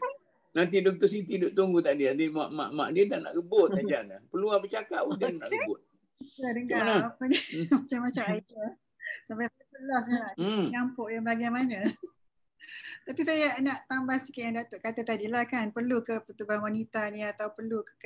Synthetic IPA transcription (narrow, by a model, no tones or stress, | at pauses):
pa | nãnt̪̬idok̚t̪osit̪idʊʔt̪uŋɡut̪aʔdiat̪ima̰ʔma̰ʔma̰ʔdiət̪aʔna̰ʔɡəboad͡ʒanlapəluabət͡ʃakat̚udanna̰ʔləbʊt̪̚ | adəŋɡanaapanimat͡ʃamːat͡ʃamaia | sampasajasəlas̬ɲanaʔɲampʊʔjaŋbaɡajmanə | t̪apisajanaʔt̪ambasikaʔ̪jaŋdat̪oʔkat̪at̪adilahkanpərlukəpət̪ubaanwanit̪anat̪awpərluk